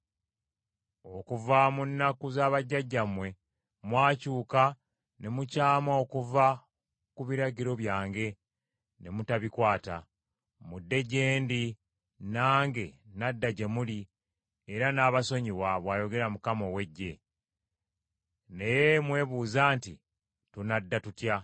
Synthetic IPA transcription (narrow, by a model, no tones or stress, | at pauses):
o̞kuvamunːakuzaːβaɟːaɟːamwe̞ | mwaːcuːka | ne̞mucaːmaokuva | kuβiɾaɟiɾo̞βjaːŋɡe̞ | ne̞mutaβikwaːta | mudːe̞ɟe̞ːndi | naːŋɡe̞nadːaɟe̞muli | eɾanaːβaso̞ɲiwaβwaːjo̞ɡe̞ɾamukamo̞we̞ɟːe̞ | ne̞jemwe̞ːβuːzaːnti | tunadːatutja